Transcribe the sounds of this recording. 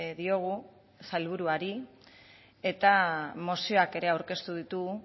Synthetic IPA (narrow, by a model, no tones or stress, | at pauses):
ðio̞ɣ̞u | sajlβ̞uɾuaɾi | e̞t̪amo̞sio̞ake̞ɾe̞awɾke̞st̪uð̞it̪uɣ